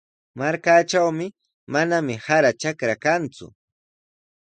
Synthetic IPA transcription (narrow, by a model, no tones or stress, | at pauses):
maɾkaːt͡ʃawmɪ | manamɪhaɾat͡ʃakɾakant͡sʊ̰